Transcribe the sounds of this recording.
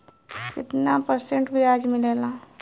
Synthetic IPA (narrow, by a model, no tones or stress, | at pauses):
kɪt̪napəɾsẽɳʈbɪɾaːd͡ʒmɪlelaː